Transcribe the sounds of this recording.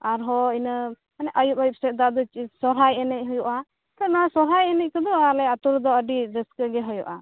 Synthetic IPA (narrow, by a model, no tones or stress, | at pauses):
aɾɦɔinə | manɛʔəjup̚ajup̚sɛt̪̚d̪aʔd̪ɔt͡ʃisɔɾɦajɛnɛc̚ˀɦɔjuʔa | t̪ɔnaasɔɾɦajɛnɛc̚kəd̪ɔaɾlɛat̪uɾd̪ɔəɖid͡ʒəskəɡɛɦɔjuʔa